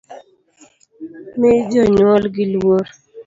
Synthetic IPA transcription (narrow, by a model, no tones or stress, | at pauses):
mɪd͡ʒɔɲwɔlɡɪlwoɾ